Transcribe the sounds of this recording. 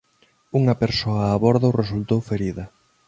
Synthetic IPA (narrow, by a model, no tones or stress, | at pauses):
uŋɐpeɾsoɐːβɔɾðoresult̪owfeɾiðɐ